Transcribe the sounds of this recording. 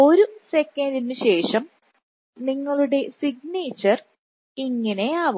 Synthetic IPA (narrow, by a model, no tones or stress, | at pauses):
o̞ɾusekːɐndinɨɕe̞ːʂɐm | niŋːɐɭuɽe̞siɡneːt͡ɕːɐr | iŋːɐne̞aːʋ